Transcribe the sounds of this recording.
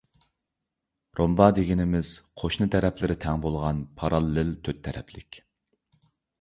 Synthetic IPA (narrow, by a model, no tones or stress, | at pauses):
ɾombɑd̪eɡʲinɪmɪz̥qʰoʃnɨt̪ʰɛɾɛpʰlɪɾɪt̪ʰɛŋbolˠʁɑnpʰɑɾɑlˠːɪlt̪ʰøt̪ʰːɛɾɛ̰pʰlɪkʲ